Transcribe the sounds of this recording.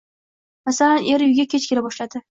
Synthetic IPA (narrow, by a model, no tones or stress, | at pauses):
masalanʔe̞ɾjʊɡʲakʲet͡ʃkʲʰelabɒʃlad̪ɪ